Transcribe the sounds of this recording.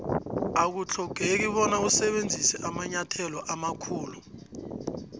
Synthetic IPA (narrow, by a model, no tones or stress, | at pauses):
ak̬ut͡ɬʰɔɡ̥ʱek̬iɓɔnausɛɓend͡zʱisɛʔamaɲatʰɛlɔʔamakʰuːlu